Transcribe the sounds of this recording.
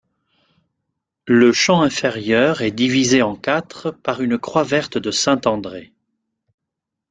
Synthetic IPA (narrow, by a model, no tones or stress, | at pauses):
ləʃɑ̃ɛ̃feʁjœʁɛd̪ivizeɑ̃kat̪χəpaʁynkχwavɛʁt̪d̪əsɛ̃t̪ɑ̃d̪ʁe